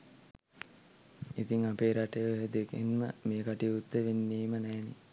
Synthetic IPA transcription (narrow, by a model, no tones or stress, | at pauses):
it̪iŋapeːɾaʈəjəoɦed̪ekenməmeːkaʈiut̪ːeʋenːiːmənɛːne